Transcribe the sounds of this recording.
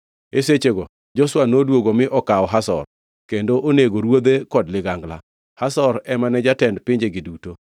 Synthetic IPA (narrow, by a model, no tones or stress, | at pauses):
eset͡ʃeɡɔ | d͡ʒɔswanodwoɡomɪʔɔkaɔɦasɔ̰r | kendoʔoneɡoɾwod̪ekɔdlɪɡaŋɡla̰ | hasɔɾɛmanɛd͡ʒatɛndpɪɲd͡ʒeɡɪduto